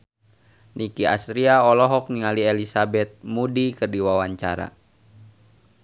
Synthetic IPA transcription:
nikia̰st̪ɾiaɔlɔɦɔk̚niŋaliɛlisabɛt̪̚mudikərdiwawaɲt͡ʃa̰ɾa̰

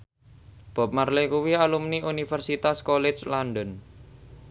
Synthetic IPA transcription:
b̥ɔ̤p̚marlekuwialumniʔunifərsit̪askolɪt͡ʃlanɖɔn

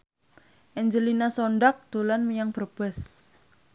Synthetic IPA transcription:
ʔɛɲd͡ʒəlinasɔɳɖak̚d̪̥ulanmijaŋb̥ərb̥ɛs

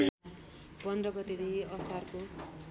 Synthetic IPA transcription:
pʌnd̪rʌɡʌt̪ed̪eʌsarko

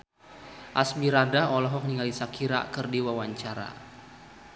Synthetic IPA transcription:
ʔasbiɾadaɔlɔɦɔk̚niŋalisakiɾa̰kərdiwawaɲt͡ʃaɾa̰

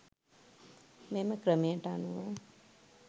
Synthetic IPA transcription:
meːməkɾəmijəʈaanuʋa

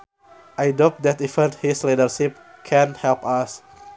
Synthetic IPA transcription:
ʔajdop̚d̪ɛt̪ifəthislidərʃip̚ | kʰɛ̃nhɛlpas

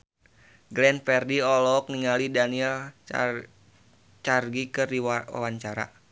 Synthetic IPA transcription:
ɡɾɛnfɛrdiɔlɔk̚niŋalidaniɛl | t͡ʃarɡikɨrdiwa̰waɲt͡ʃaɾa̰

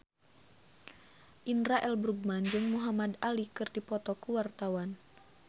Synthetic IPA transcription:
ʔinɾaʔɛlbɾuɡ̚mand͡ʒɨŋmuɦamad̪alikɨrdipɔt̪ɔkuwart̪awan

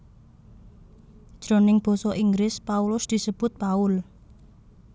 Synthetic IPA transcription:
d̥ʒ̥ɾo̤nɪŋb̥ɔ̤sɔʔiŋɡɾɪspaulʊsd̪̥i̤səb̥ʊ̤t̪̚paʊl

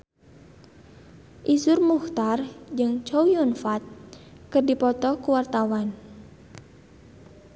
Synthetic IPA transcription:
ʔisʊrmuxt̪ard͡ʒɨŋt͡ʃowjunfat̪̚kɨrdipɔt̪ɔkuwart̪awan

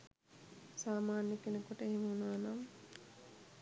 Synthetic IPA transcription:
saːmaːnjɐkenɐkuʈɐeɦimɐunaːnam

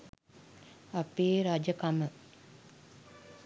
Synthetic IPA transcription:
apeːɾad͡ʒəkamə

